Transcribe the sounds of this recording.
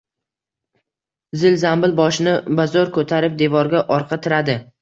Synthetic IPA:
zɪlzambɪlbɒʃɪnɪbazɒɾkʰɵt̪ʰaɾɪp̚d̪e̞vɒɾɡʲaʔɒɾqʰɑt̪ʰɪɾad̪ɪ

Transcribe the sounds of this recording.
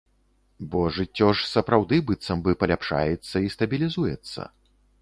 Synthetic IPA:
bɔʐɨt͡sʲːɔʂsɐpɾawd̪ɨbɨt̪sɐmbɨpɐlʲapʂa̰jɛt̪sːɐist̪ɐbʲilʲizujɛ̰t̪sːɐ̰

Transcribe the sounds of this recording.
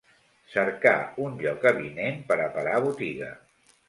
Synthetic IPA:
səɾka̰unʎɔkəβinempəɾəpəɾaβut̪iɣə̰

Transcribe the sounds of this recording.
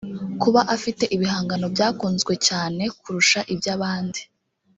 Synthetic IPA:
kuβaʔafite̞ʔiβiɦaːŋɡano̞bjaːkuːnzɡwe̞caːne̞kuɾuʃaʔibjaːβaːndi̥

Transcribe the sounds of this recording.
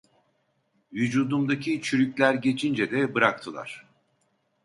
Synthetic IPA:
vyd͡ʒuːd̪umd̪acʰit͡ʃʰyɾycʲlʲæɾɟe̞t͡ʃʰind͡ʒɛd̪ɛbɯɾak̚t̪ʰɯlˠa̰ɾ̥

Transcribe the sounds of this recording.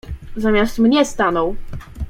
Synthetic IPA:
zamʲjast̪mɲɛst̪anɔ̃w

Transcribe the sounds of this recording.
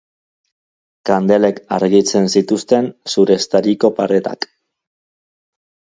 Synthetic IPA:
kand̪e̞le̞ka̰ɾɣit͡se̞nsit̪ust̪e̞nsuɾe̞st̪aɾiko̞paɾe̞t̪a̰k

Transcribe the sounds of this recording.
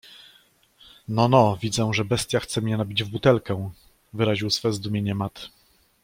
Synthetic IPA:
nɔnɔvʲid̪zɛʐɛbɛst̪ʲjaxt̪sɛmɲɛnabʲid͡ʑvbut̪ɛlkɛ | vɘɾaʑiwsfɛzd̪umʲjeɲɛmat̪

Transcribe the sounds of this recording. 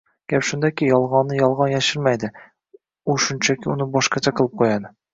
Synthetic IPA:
ɡ̥ʲapʃʊnd̪akʲɪjɒlˠʁɒnːɪjɒlˠʁɑnjaʃɪɾmajd̪ɪ | uʃʊnt͡ʃʰakʲɪʊnɪbɒʃqɑt͡ʃʰaqʰɨlˠɪp̚qʰojad̪ɪ

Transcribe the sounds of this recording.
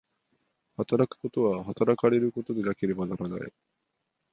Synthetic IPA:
hat̪aɾakɯ̥ko̞t̪o̞βaɦat̪aɾakaɾe̞ɾɯko̞t̪o̞d̪e̞nake̞ɾe̞banaɾana̰i

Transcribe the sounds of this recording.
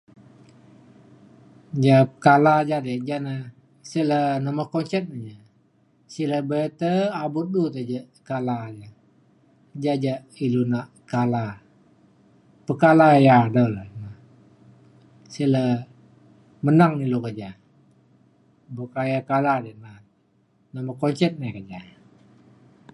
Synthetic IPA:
d͡ʒaəkalad͡ʒadəd͡ʒanə | silənəməkɔnt͡ʃɛt̪̚nəd͡ʒa | siləbət̪əabʊt̪̚dut̪əd͡ʒəʔkalad͡ʒa | d͡ʒad͡ʒaʔ | ilunaʔkala | pəkalajadələna | silə | mənaŋilukad͡ʒa | bokajakaladənat̪̚ | nəməkɔnt͡ʃɛt̪̚nakəd͡ʒa

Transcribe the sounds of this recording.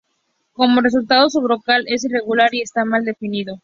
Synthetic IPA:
ko̞mo̞re̞s̬ult̪að̞o̞s̬uβɾokale̞s̬ire̞ɣulaɾie̞st̪amald̪e̞finiðo̞

